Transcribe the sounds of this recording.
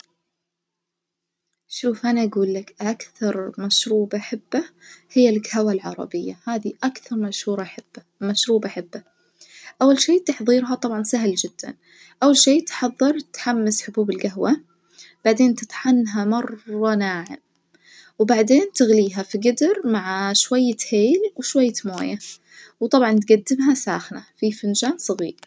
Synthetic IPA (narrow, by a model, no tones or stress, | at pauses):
ʃuːfʔanaʔaɡuːlːakʔakθɑɾˤmaʃɾuːbʔaħɪbːahɪjːalɪkhawalʕɑ̰ɾˤɑ̰bɪjːahaːðiʔakθɑɾˤmaʃhuːɾˤɑħb | maʃɾuːbaʔaħɪbːa | ʔawːalʃeːt̪aħðˤiːɾɦɑt̪ˤɑbʕɑnsaɦld͡ʒɪd̪̥ːa̰n | ʔawːalʃeːt̪ħɑðˤːɨɾˤt̪ħamːɪsħʊbuːbɪlɡaɦwa | b̥aʕd̪eːnt̪ɪt̪ħanːɦamɑrˤɑnaːʕɪ̰m | wbaʕd̪eːnt̪ɪɣliːɦafiɡɪd̪ɪɾmaʕaʃwajːaheːlwɪʃwajːamoːja | wt̪ˤɑbʕɑnt̪ɡad̪ːɪmɦasa̰ːxnafifɪnd͡ʒaːnsˤɨɣiːɾ